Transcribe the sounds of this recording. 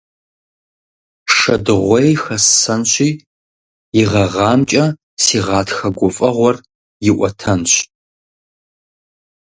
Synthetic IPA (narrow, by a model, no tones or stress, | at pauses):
ʂɐdɨʁʷɔjxɐssɐnɕʷiː | ɪʁɐʁɑːmt͡ʃʼɐ | siːʁɑːtxɐɡʷʊfʼɐʁʷɔr | jɪʔʷɔtʰɐnɕ